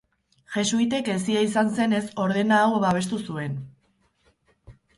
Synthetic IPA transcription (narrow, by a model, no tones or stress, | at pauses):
ʝe̞suit̪̬e̞ke̞siaisanse̞ne̞so̞ɾð̞e̞naːwβaβe̞st̪usue̞n